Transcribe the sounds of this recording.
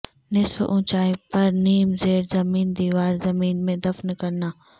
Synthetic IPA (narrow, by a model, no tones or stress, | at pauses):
nɪsfʔũːt͡ʃaːipɐɾniːmzeːɾzɐmiːnd̪iːʋaːɾzɐmiːnmẽd̪ɐfnkɐɾnaː